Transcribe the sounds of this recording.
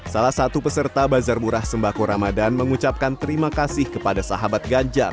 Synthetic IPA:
salahsat̪upəsərtt̪abazarmuɾahsəmbakoɾamadanməŋut͡ʃap̚kant̪əɾimakasɪhkəpadasaɦabat̪̚ɡaɲd͡ʒar

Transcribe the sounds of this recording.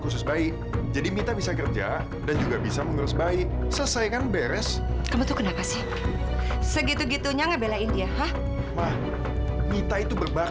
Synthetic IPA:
kus̬ʊsbaɪk | d͡ʒadimit̪abisakərd͡ʒa | dand͡ʒuɡabisaməŋəɾʊsbaɪʔsəlsajkanbɛɾɛskamut̪ukənapasɛh | səɡit̪uɡit̪uɲaŋabelaindiahah | mah | mit̪ait̪ubərba

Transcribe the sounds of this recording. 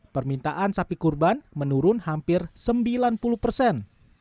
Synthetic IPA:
pərmint̪aʔansapikurbanmənuɾʊnhampɪrsəmbilanpuluhpərsɛn

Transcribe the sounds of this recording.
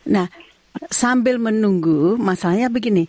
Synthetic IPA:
nah | sambɪlmənuŋɡumasalaɲabəɡini

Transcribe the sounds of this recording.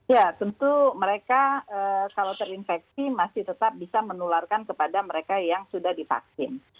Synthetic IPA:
ijat̪ənt̪uməɾekaəkalawt̪əɾinfɛk̚simasɪht̪ət̪ap̚bisamənularkankəpadaməɾekajaŋsudahdifa̰ksɪn

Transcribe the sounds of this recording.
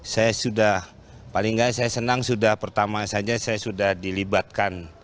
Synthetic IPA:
sajasudah | palɪŋɡajasajasənaŋsudahpərt̪amasad͡ʒasajasudahdilibat̪̚kan

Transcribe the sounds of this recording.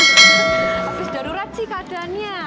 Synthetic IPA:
ab̥ɪsdaɾuɾat͡ʃikaad̥a̤nɲa

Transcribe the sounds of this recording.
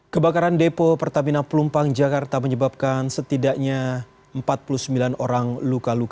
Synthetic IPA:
kəbakaɾandepopərt̪aminanplumpaŋd͡ʒakart̪aməɲəbap̚kansət̪idaʔɲa | əmpat̪̚puluhsəmbilanoɾaŋlukaluka

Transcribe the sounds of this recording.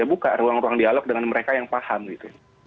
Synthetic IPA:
abukaruaŋruaŋdialɔk̚dəŋanməɾekajaŋpahamɡit̪u

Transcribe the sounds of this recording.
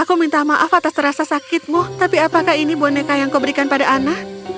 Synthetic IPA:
ʔakumint̪amaʔafat̪ast̪əɾasasakɪt̪̚mʊht̪apiapakahinibonekajaŋkobəɾikanpadaʔanah

